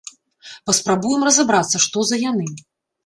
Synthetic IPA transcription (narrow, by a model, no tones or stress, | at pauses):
pɐspɾabujɛmrɐzabɾat̪sːɐʂt̪ɔzɐjanɨ